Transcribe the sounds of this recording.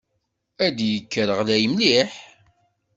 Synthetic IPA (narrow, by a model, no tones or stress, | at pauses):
æd̪jəkːəɾəʁlæjəmliħ